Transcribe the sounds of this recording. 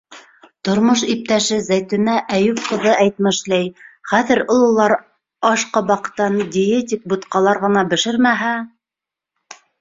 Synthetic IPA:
t̪ŏɾmoʃip̚t̪æʃɘzæjt̪ɘ̆næʔæjʉp̚qɤ̆ðɤʔæjt̪̚mɘ̆ʃlæjχæðɘ̆ɾŏlˠɤ̆lˠɑɾ | ɑʃqɑbɑqɤ̥̆t̪ːɑndʲɪet̪ʲik̚bŭt̪qɑlˠɑɾʁɤ̆nɑbɘ̆ʃɘɾmæɦæ

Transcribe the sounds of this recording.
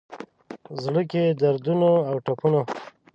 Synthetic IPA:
zɽəked̪aɾd̪unoawʈapuno

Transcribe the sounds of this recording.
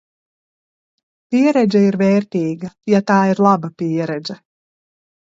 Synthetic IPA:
piɛɾɛd͡ʒʲɛiɾvɛːɾt̪iːɡɐjat̪aːiɾlˠabɐpiɛɾɛd̪zɛ

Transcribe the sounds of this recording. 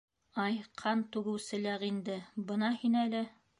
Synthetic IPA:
ɑjqʰɑnt̪ʉɡɘ̆wsɘ̆læɾind̪ɘbɤ̆nɑhinælɘ

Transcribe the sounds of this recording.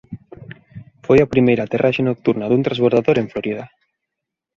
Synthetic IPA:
fojapɾimejɾat̪erʔaʃenok̚t̪uɾnaðunt̪ɾazβoɾðaðoɾeɱfloɾiða

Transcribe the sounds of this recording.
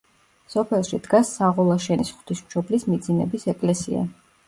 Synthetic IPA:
sɔpʰɛlˠʃid̪̥ɡasːaʁɔlˠaʃɛnisχw̥t̪ʰismʃɔblismid̪zinɛbisɛkʼlɛsḭa̰

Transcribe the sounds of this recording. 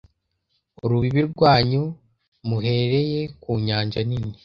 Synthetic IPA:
uɾuβiβiɾɡwaːɲu | muɦe̞ɾe̞je̞kuːɲaːɲd͡ʒanini

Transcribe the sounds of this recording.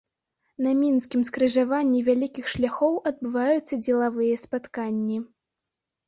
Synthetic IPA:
nɐmʲinskʲimskɾɨʐavanʲːivʲalʲikʲixʂlʲaxɔwʔɐd̪̚bɨvajut̪sːɐd͡zʲɛlˠavɨjɐspat̪kanʲːi

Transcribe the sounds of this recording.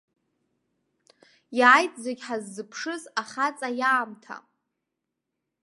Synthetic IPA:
jaːjtʼzeɡʲħazːɨpʰʂɨzaχat͡sʼajaːmtʰa̰

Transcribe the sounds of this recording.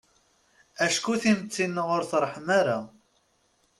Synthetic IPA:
æʃkuθimt͡sːinːəʁʊɾθɾˤːħəmaɾa

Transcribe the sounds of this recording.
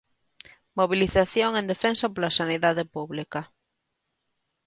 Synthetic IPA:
moβ̞iliθaθjoŋend̪efensɐpolasaniðaðepuβlikɐ

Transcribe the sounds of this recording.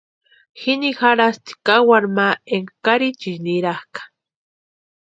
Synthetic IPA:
xinixaɾast̪i̥kawaɾmaeŋakaɾit͡ʃiniɾahkḁ

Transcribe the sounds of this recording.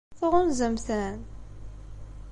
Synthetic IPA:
fʊʁʊnzəmθæn

